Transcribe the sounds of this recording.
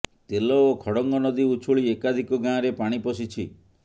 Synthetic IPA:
t̪elɔːkʰɔɽɔŋɡɔnɔd̪iut͡ʃʰuɭiekad̪ʱikɔɡãɾepaɽ̃ipɔsit͡ʃʰḭ

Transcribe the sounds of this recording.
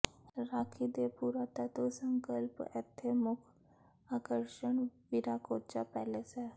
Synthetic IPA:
ɾaːkʰiːd̪eːpuːɾaːt̪aːt̪õːsəŋkəlpɪ̰t̪ʰːeːmʊkʰ | aːkəɾʃəɳʋiɾaːkoːt͡ʃaːpɛːlesɛː

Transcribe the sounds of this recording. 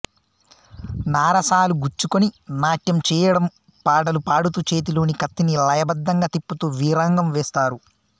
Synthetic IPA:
naːɾɐsaːluɡuɾt͡ʃːukoninaːʈjɐmt͡ʃɛːjɐɽɐm | paːɖɐlupaːɽut̪ut͡ʃeːt̪̬iloːnikɐt̪ːinilɐjɐbɐd̪ːɐŋɡaːt̪ipːut̪uːʋiːɾaːŋɡɐmʋɛːst̪aːɾu

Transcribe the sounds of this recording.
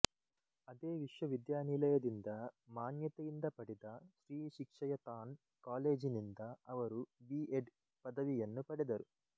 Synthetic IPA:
ɐd̪e̞ːʋiʂjɐʋid̪jaːnilɐjɐd̪ind̪ɐmaːnjɐt̪ɐind̪ɐpɐɽid̪ɐʃɾiːʃikʂɐjɐt̪aːn | kaːle̞ːd͡ʒinind̪ɐɐʋɐɾubiːʔeɖ | pɐd̪ɐʋijɐnːupɐɽid̪ɐɾu

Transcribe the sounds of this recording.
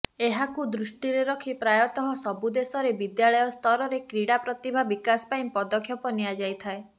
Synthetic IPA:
eɦakud̪ɾusʈiɾeɾɔkʰipɾajɔt̪ɔɦɔsɔbud̪esɔɾebid̪jaɭɔjɔst̪ʰɔɾɔɾekɾiɽapɾɔt̪ibʱabikaspaĩpɔd̪ɔkʰːjɔpɔniad͡ʒajt̪ʰae

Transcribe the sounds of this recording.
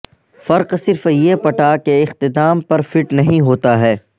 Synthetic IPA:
fɐɾqsɪɾfjepɐʈakeɪxt̪ɪd̪aːmpɐɾfɪʈnɐɦĩɦoːt̪aɦɛː

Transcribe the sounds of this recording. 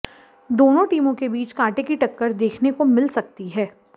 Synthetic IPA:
d̪oːnõʈiːmõkebiːt͡ʃkaːʈekiʈɐkːəɾd̪eːkʰnekomɪlsɐk̚t̪iɦɛː

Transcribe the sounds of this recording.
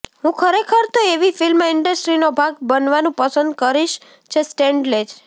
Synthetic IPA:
ɦũkʰəɾekʰəɾt̪oeʋifilmãɪɳɖəsʈɾinobʱaɡbənʋanũpəsənd̪kəɾiʃ | t͡ʃʰesʈeɳɖled͡ʒ

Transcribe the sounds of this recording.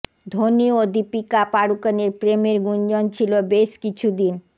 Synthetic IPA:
d̪ʱoniod̪ipikapaɽukəneɾpɾemeɾɡund͡ʑɔnt͡ɕʰilobeʃkit͡ɕʰud̪in

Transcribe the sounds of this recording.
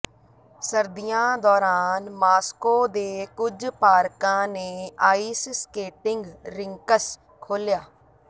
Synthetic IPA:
səɾd̪ijãːd̪ɔːɾaːnmaːskoːd̪eːkʊd͡ʒpaːɾkãːneːaːiːsskeːʈɪŋɡɾɪŋkəs | kʰoːljaː

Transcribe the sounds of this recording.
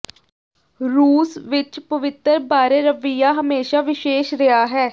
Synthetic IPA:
ɾuːsʋɪt͡ʃpəʋɪt̪əɾbaːɾeːɾəʋijaːɦəmeːʃaːʋɪʃeːʃɾɪaːɦɛː

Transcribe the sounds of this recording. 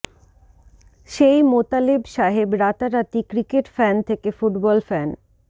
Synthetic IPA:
ʃejmot̪alebʃaɦebɾat̪aɾat̪ikɾikeʈfɛnt̪ʰekefuʈbɔlfɛn

